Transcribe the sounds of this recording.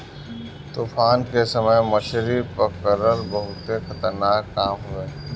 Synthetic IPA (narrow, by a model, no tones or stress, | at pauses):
t̪uːfaːnkesəməjmɐʃɾipəkəɾəɾbɐɦʊt̪exɐt̪əɾnaːkːaːmɦʊeː